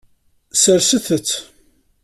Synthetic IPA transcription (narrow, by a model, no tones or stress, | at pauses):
səɾsəθət͡sː